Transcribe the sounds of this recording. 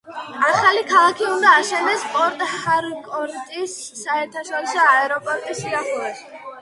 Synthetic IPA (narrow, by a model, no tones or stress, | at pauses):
aχalikʰalˠakʰiund̪aːʃɛnɛspʼɔɾt̪ʼhaɾkʼɔɾt̪ʼisːaɛɾt̪ʰaʃɔɾɔsɔaɛɾɔpʼɔɾt̪ʼisaχɔɾɛs